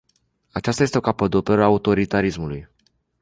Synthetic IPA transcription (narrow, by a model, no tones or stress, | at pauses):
at͡ʃast̪ajest̪eo̞kapəd̪opeɾaut̪o̞ɾit̪aɾismuluj